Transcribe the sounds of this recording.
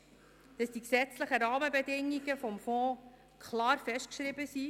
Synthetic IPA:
d̥ɑsd̥iksɛt͡sləχəɾɑːməbɛdɪŋːiɡəfɔmfɔ̃ː | kʰlɑːɾfɛʃtkʃɾɪbəsi

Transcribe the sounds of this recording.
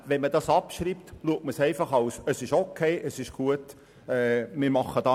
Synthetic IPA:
ʋɛnmədɑːsɑpʃriːp̚tluək̚tməsɛɪfɑχɑʊsəsɪʃokʰːeɪʔəsɪʃɡ̥uət | ɛːmɪɾmɑχːəd̥ɑ

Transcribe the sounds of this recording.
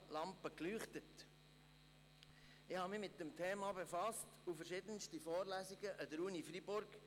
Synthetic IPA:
lɑmpəklyːχtət | ɪhɑmɪmɪt̚dəmtʰeːmɑbefɑstufəɾʃɪdənstifɔːɾlæːsiɡəʔədəɾunifribʊɾɡ̥

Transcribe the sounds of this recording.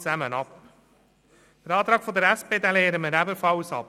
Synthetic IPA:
t͡sæmənɑp | fəɾɑːt̪ɾɑːkfɔd̪əɾæspeːd̪æleːɾəməɾæbəfɑlsɑ̰p

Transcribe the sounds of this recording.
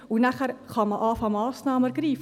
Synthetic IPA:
unæχəɾχɑməʔɑːfɑmɑːsnɑːməɾɡɾiːf

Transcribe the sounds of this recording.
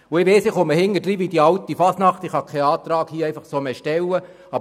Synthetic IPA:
ʊɪʋeːsɪχoməhɪŋːəd̥ɾiːʋid̥̪iɑwtifɑsnɑχt̪ɪχhɑkʰɛɑːt̪ɾɑːɡ̥hiːɛɪfɑχsoːmeʃtɛwə | ɑb

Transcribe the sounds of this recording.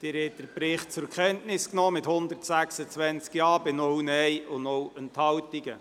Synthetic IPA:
d̥̪ɪɾhɛt̚d̥əɾpɾɪχt̚t͡sʊɾkχɛntnɪsknɔːmɪthʊnd̪əɾtsæksət͡sʋɛnt͡skjɑːbɪnɔunɛjʊnowənthɑwtiɡə

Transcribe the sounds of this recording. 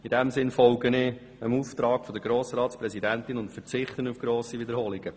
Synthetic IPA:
id̥ɛmsɪnfɔlɡənɪː | əmuːft̪ɾɑːɡ̥fɔd̪əɾɡɾoːsɾɑːtspɾɛzidænt̪ɪnʊntfəɾt͡sɪχt̪ənufɡ̥ɾoːsiʋɪd̪əɾhoːliɡ̥ə

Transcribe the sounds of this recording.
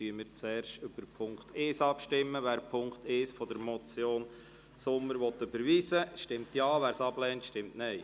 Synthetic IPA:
tyəmɪːɾt͡sɛːɾʃtøb̥əɾpʰʊŋkt̪ʰeːsɑpʃtɪmːəʋæːɾpʰʊŋkt̪ɪːsfɔd̪əɾmɔt͡sjoːn | sʊmːəɾʋɔtːøbəɾʋiːsəʃtɪmt̪jɑːʋæːɾsɑb̥lɛːntʃtɪmtnɛɪ

